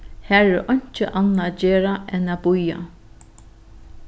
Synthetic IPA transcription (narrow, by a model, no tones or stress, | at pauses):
hæːɹɛɾɔɲ̥t͡ʃəʔanːad͡ʒeːɾaʔɛnabʊja̰